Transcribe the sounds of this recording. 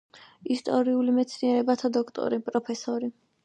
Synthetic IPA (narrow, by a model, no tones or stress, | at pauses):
ist̪ʼɔɾiulimɛt̪sʰniɛɾɛbat̪ʰad̪ɔkʰt̪ʼɔ̰ɾipʼɾɔpʰɛsɔɾi